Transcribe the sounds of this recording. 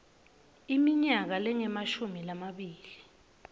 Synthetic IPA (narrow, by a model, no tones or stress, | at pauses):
imiɲak̬alɛŋɛmaʃumilamaɓiːli